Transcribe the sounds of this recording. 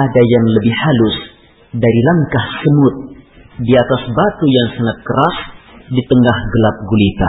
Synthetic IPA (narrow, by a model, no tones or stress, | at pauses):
adajaŋləbɪhhalʊs | daɾilaŋkahsəmʊt̪̚diat̪asbat̪ujaŋsaŋat̪̚kəɾasdit̪əŋahɡəlap̚ɡulit̪a̰